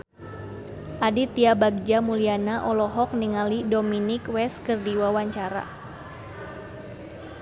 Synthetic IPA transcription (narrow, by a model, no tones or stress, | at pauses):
ʔadit̪iabaɡ̚d͡ʒamulianaʔɔlɔɦɔk̚niŋalidominɪkwɛskərdiwawaɲt͡ʃaɾa̰